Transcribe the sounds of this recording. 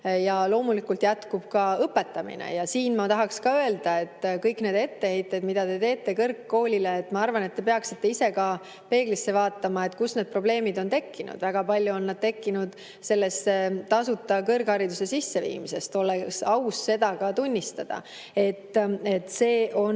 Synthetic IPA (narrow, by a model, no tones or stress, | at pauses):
jɑlo̞ːmulikult̪jæt̪kub̥kɑɤpːe̞t̪ːˑɑmḭnḛjɑsiːnmɑt̪ɑɦɑkskɑøe̞ld̪̥ɑe̞t̪ːkɤjkne̞d̪e̞t̪ːe̞he̞jt̪ːˑed̪mid̪̥ɑd̪e̞t̪e̞ːt̪ˑːe̞kɤrkːo̞ːlʲileːt̪ːˑmɑɑrvɑne̞t̪ːe̞peɑksit̪ːe̞ise̞kɑ | pe̞ːɡ̥lisːe̞vɑːt̪ˑːɑmɑe̞t̪kusne̞d̪̚pro̞ble̞ːmid̪o̞nt̪e̞kːinṵd̪væɡ̥ɑpɑlʲjuo̞nːɑd̪̚t̪e̞kːinud̪̥ | se̞lːesːet̪ɑsut̪ːˑɑkɤrɡhɑɾid̪use̞sisːe̞vḭːmise̞st̪o̞leksɑwsːe̞d̪̥ɑkɑt̪unʲːist̪ɑd̪̥ɑ̰ | e̞t̪ːe̞t̪ːse̞ːʔo̞n